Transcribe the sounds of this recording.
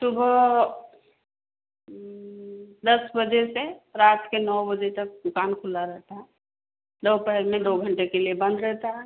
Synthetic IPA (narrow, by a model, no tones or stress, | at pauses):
sʊbʱ | d̪ɐsbəd͡ʒeseɾaːt̪kenɔbəd͡ʒet̪ɐk̚d̪ʊkaːnkʰʊlaɾɛɦt̪aɦɛ | lopɛɦlmed̪oːɡʱəɳʈekeliebə̃nd̪ɾɛɦt̪aɦɛ